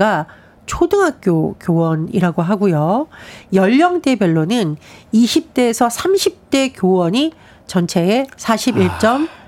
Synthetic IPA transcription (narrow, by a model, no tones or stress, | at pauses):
ɡa | t͡ɕʰodɯŋɦak̚k͈jokjowʌniɾaɡoɦaɡujojʌʎːʌŋt͈e̞bjʌɭːonɯniɕʰip̚t͈e̞ːsʰʌsʰamɕʰip̚t͈e̞kjowʌɲi | t͡ɕʌnt͡ɕʰe̞esʰaɕʰibiɭt͡ɕ͈ʌm